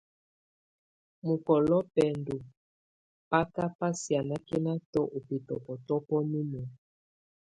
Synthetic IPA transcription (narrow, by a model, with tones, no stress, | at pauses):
mu˨kɔ˨lɔ˦pɛ˨ndu˨ | pa˦ka˦pa˦si˨a˨na˦kɛ˦na˦tɔ˦ʔo˨pe˨tɔ˨pɔ˨tɔ˦pɔ˦mi˦mɔ˨